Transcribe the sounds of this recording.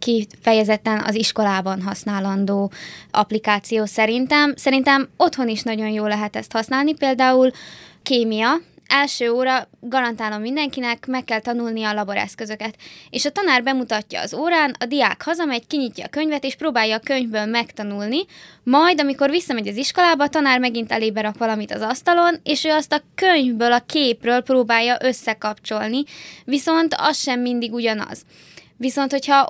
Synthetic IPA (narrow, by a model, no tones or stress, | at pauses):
kifɛjɛzɛt̪ːɛnɒ̰ziʃko̞laːbɒnɦɒsnaːlɒnd̪oːʔɒ̰plikaːt̪sijoːsɛɾint̪ɛmsɛɾint̪ɛmo̞t̪ho̞niʃnɒɟo̞njoːlːɛɦɛt̪ɛst̪hɒsnaːlnipeːld̪aːulkeːmijɒɛlʃøːoːɾɒɡɒɾɒnt̪aːlo̞mːind̪ɛŋkinɛkmɛkːɛlt̪ɒnulniɒlɒbo̞ɾɛ̰skø̞zø̞kɛt̪eːʃɒt̪ɒnaːrbɛmut̪ɒcːɒ̰ːzoːɾaːnɒd̪ija̰ːkhɒzɒmɛɟkiɲicːɒ̰ːkø̞ɲvɛt̪eːʃproːbaːjːɒːkøɲvbøːlmɛkt̪ɒnulni | mɒjd̪ɒmiko̞rʋisːɒmɛɟɒziʃko̞laːbɒːt̪ɒnaːrmɛɡint̪ɛleːbɛɾɒkʋɒlɒmit̪ɒ̰zɒst̪ɒlo̞neːʃøːɒst̪ɒkøɲvbøːlɒkeːprøːlproːbaːjːɒʔøsːɛkɒpt͡ʃo̞lniviso̞nt̪ɒ̰sʃɛmːind̪iɡuɟɒnɒ̰z̥ | ʋiso̞nt̪ho̞chɒ